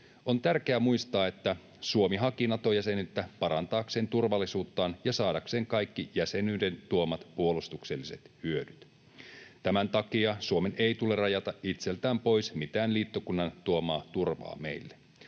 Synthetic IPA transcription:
ont̪ærk̟eæmuist̪ɑːe̞t̪ːæ | suomiɦɑkinɑt̪ojæsenyt̪ːæpɑɾɑnt̪ɑːkse̞ːnt̪urʋɑlːisuːt̪ːɑːnjɑsɑːdɑkse̞ːŋkɑjkːijæse̞nyːde̞nt̪uomɑt̪puolust̪ukselːiset̪hyødyt̪ | t̪æmænt̪ɑkiɑsuomenejt̪ule̞rrɑjɑt̪ɑʔit̪selt̪æːmpo̞jsmit̪æːnliːt̪ːokunːɑnt̪uomɑːt̪urʋɑ̰ːme̞̰ilːe

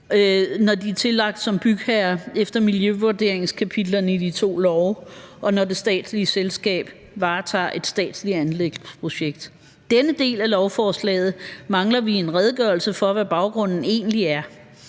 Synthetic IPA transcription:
nɒd̥it͡sʰe̝lɑ̈ɡ̥̚d̥sɒ̽mb̥yɡ̥hæɐefd̥ɐmiljøʋud̥e̝ɐeŋskʰæpʰid̥lɐnəid̥it͡sʰo̝̰ːlɒʊʔɒ̽nɒde̝sd̥ɛ̰ːd̥sliəselsɡ̥ɛ̰ːb̥ | ʋɑ̈ːt͡sʰɑ̰̈ːʔe̝d̥sd̥ɛ̰ːd̥sliænleɡ̥d̥pʰʁo̝ɕeɡ̥̚d̥ | d̥enəd̥e̝̰ːlælɒʊfɒːslɛ̰ːð̞̩ˠmɑ̈ŋlɐʋie̝nʁɛð̞ˠɡ̥ɶɐl̩səfɒ̽ʋæb̥ɑ̈ʊɡ̥ʁɔ̽n̰n̩e̝̰ːnliæɐ

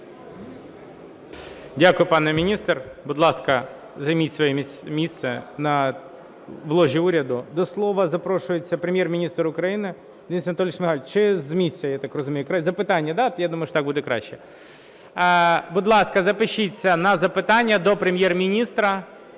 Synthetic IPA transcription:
dʲakʊjʊpanɛmʲɪnʲist̪rbʊd̪lˠaskɐ | zɐjmʲitʲsʋɐjɛ | mʲisʲt̪sɪnɐ | ʋlˠoʒʲiuɾʲɐd̪ʊd̪ɔslˠoʋɐzɐpɾoʂʊjɪt͡sʲːɐpɾʲɪmʲjermʲɪnʲist̪ɾʊkɾɐjinɪ | d̪ʲinʲsʲnɐt̪olʲɪʂmʲɪxalʲt͡ʃɪzmʲisʲːɪjɐjat̪akrəzʊmʲejʊkɾazɐpɪt̪anʲːjɐd̪ajad̪umɐjʊʂtt̪aɡ̚bud̪ɛkɾa̰ɕːɛ | bʊd̪lˠɑskɐzɐpɪɕːitʲt͡sʲːɐnɐzɐpɪt̪anʲːɪjɐd̪ɔpɾʲɪmʲjermʲɪnʲist̪ɾɐ

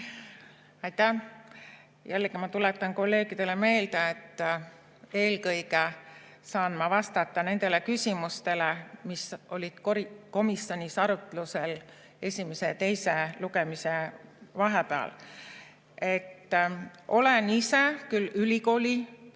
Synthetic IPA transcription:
ɑjt̪æh | jælːeɡ̥imɑt̪ulet̪ːˑɑnko̞lːe̞ːɡ̥id̪e̞le̞me̞ːld̪̥eet̪ː | e̞ːlkɤjɡe | sɑːnmɑvɑst̪ɑt̪ːˑɑne̞nd̪e̞lekysʲimust̪e̞lemisʔo̞lʲid̪̥koɾiko̞misjo̞nʲisɑɾut̪ˑluse̞l | e̞sʲime̞set̪e̞jseluɡe̞misevɑɦepeɑ̰l | e̞t̪ːʔo̞le̞nise̞kylːylʲiko̞ːlʲi

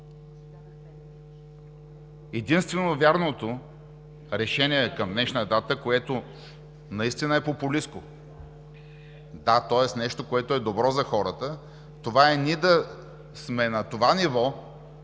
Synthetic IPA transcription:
ɛd̪inst̪vɛnovʲjaɾnot̪o | ɾɛʃɛniɛkɐmd̪nɛʃnəd̪at̪əkoɛt̪o | nɐist̪inəɛpopʊlisko | d̪at̪ɔɛsnɛʃt̪okoɛt̪oɛd̪obɾɔzɐxɔɾət̪ə | t̪ovaɛnid̪ɐ | smɛnɐt̪ovanivɔ

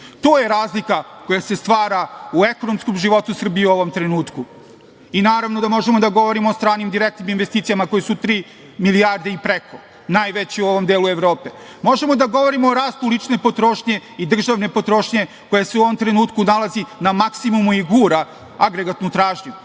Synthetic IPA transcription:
t̪oːje̞ɾaːzlikako̞jase̞st̪ʋaːɾaue̞ko̞nomskomʒiʋo̞t̪usr̩bijeuoʋo̞mt̪ɾe̞nuːt̪ku | inaːɾaʋno̞d̪amo̞ʒemod̪aɡo̞ʋo̞ɾimoost̪ɾaːnimd̪iɾek̚t̪niminʋest̪iːt̪sijamako̞jesut̪ɾiː | milijaɾd̪eipɾekʰo | naːjʋet͡ɕiuo̞ʋo̞md̪e̞ːlue̞ʋɾo̞ːpe̞ | mo̞ʒe̞mo̞d̪aɡo̞ʋo̞ɾimoːɾaːst̪ulit͡ʃne̞po̞t̪ɾo̞ːʃɲe̞id̪r̩ʒaʋne̞po̞t̪ɾo̞ːʃɲe̞ | ko̞jaseuoʋomt̪ɾe̞nuːt̪kunalˠazinamaksimumuiɡuːɾa | aɡɾeɡat̪nut̪ɾaːʒɲu

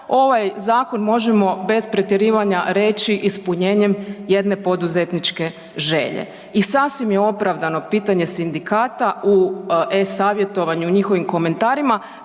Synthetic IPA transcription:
o̞ʋajzaːko̞nmo̞ʒemo̞be̞spɾet̪jeɾiːʋaɲaɾe̞t͡ʃiʔispuɲe̞ːɲe̞mje̞d̪ne̞po̞d̪uze̞t̪nit͡ʃke̞ | ʒe̞ʎḛ | isasʋimjeo̞pɾaʋd̪ano̞piːt̪aɲe̞sind̪ikaːt̪auesaːʋje̞t̪o̞ʋaɲuɲixo̞ʋimko̞me̞nt̪aːɾima

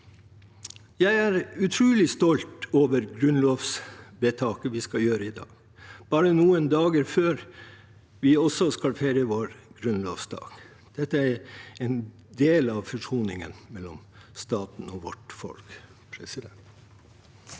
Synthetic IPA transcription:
jæɪæɾʉt̪ʰɾʉːlɪst̪ɔlt̪oːʋəɾɡɾʉnlɔːʋsbet̪ʰɑːkəʋɪskɑljøːɾəɪd̪ɑ̰ːɡ̥ | b̥ɑːɾənuːənd̪ɑːɡəɾføːɾ | ʋɪɔsɔskɑlfæɪɾəʋoːɾɡ̥ɾʉnlɔ̰ʋsd̪ɑ̰ːɡ̥ | d̪̥ɛt̪ːəæɾɛn | d̪eːlɑʋfɔʂuːnɪ̰ŋə̰nmɛlːɔ̰mst̪ɑːt̪n̩ɔːʋɔ̰ʈfɔ̰lk | pʰɾɛ̰sɪd̪ɛnt̪

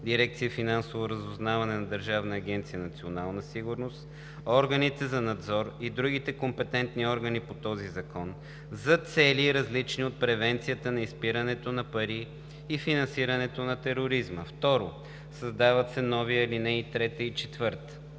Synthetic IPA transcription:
d̪iɾɛkt̪siəfinansovoɾəzʊznavɐnɛnɐd̪əɾʒavnɐːɡʲɛnt̪sijənɐt̪sionalˠnəsiɡʊɾnost̪ | ɔɾɡənit̪ɛzɐnɐd̪zɔɾid̪ɾuɡit̪ɛkompɛt̪ɛnt̪niɔɾɡənipot̪ɔzizɐkɔn | zɐt̪sɛliɾɐzlit͡ʃniot̪̚pɾɛvɛnt̪sijət̪ənɐispiɾənɛt̪onɐpɐɾiː | finɐ̃nsiɾənɛt̪onɐt̪ɛɾoɾizməft̪ɔɾo | səzd̪avət̪sɛnɔviəlinɛit̪ɾɛt̪əit͡ʃɛt̪vɤɾt̪ə̥

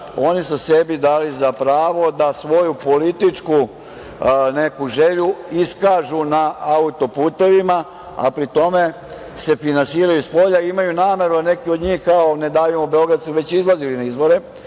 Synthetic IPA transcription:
o̞nisusebid̪aːlizapɾaːʋo̞d̪asʋo̞jupo̞lit̪it͡ʂku | ne̞kuʒe̞ʎuiskaːʒunaaut̪o̞puːt̪e̞ʋima | a̰pɾit̪o̞me̞ | se̞finansiːɾajuispo̞ʎaiimajunaːme̞ɾud̪ane̞kio̞d̪ɲiːxkao̞ne̞d̪aːʋimobeo̞ɡɾad̪suʋet͡ɕizlˠazilinaizbo̞ɾe

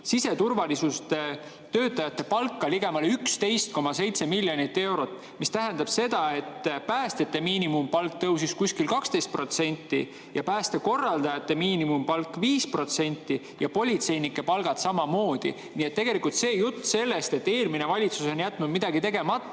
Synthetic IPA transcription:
sise̞t̪urvɑlisust̪e | t̪ø̞ːt̪ːˑɑjɑt̪ːe̞pɑlkːˑɑliɡ̥e̞mɑleykst̪e̞jst̪̚ko̞mɑse̞jt̪se̞milʲːjonit̪ːˑe̞wɾo̞t̪ːˑ | mist̪æɦend̪̥ɑb̥se̞d̪̥ɑe̞t̪ːpæːst̪et̪ːe̞miːnimumpɑlkt̪ɤws̬iskusʲkilkɑkst̪e̞jst̪̚pro̞t̪se̞nʲt̪ːˑi | jɑpæːst̪eko̞rːɑld̪̥ɑjɑt̪ːe̞miːnimumpɑlkːˑviːspro̞t̪se̞nʲt̪ˑːi | jɑpo̞lʲit̪se̞jnikːˑe̞pɑlɡ̥ɑt̪sɑmɑmo̞ːd̪̥ḭ | niːet̪t̪ːe̞ɡ̥e̞likult̪se̞ːjut̪ːse̞lːe̞st̪e̞t̪ːe̞ːlmine̞vɑlʲit̪su̥so̞njæt̪ːˑnud̪mid̪̥ɑɡit̪e̞ɡ̥e̞mɑt̪ˑːɑ

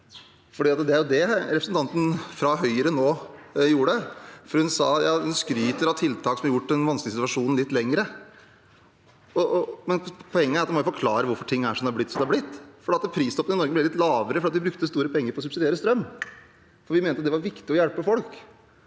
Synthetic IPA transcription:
fɔɖiːɑt̪d̪ɛæɾjʊd̪ɛɾɛpɾsnt̪ʰɑnt̪ən̩fɾɑɦœʏɾənoːjuːəɖəfɔɾhʉnsɑːt̪jɑːhʉnskɾyːt̪əɾɑt̪ʰɪlt̪ʰɑːksɔmɑɾjʊʈːɛnʋɑnsklɪsɪt̪ʋɑʂuːnn̩lɪt̪ːlɛŋɾə | ɔʔmɛnpʰɔɛŋːəæɾɑt̪d̪ɪmɔjʊfɔɾkʰlɑːɾəʋʊɾfɔʈʰɪŋːæʂɔmd̪ɛɑɾblɪt̪ːsɔmd̪ɛɑɾblɪt̪ːfɔɖiːɑt̪pʰɾiːst̪ɔpəɪnɔɾɡəblɛlɪt̪lɑːʋəɾəfɾɑt̪ɪbɾʉk̚t̪əst̪uːɾəpʰɛŋːəɾfɔɾɔs̬ʉbsɪd̪eːɾəst̪ɾœmː | fɔɾʋɪmeːnəɑt̪d̪ɛʋɑɾʋɪkt̪ɪɔjælpəfɔlk

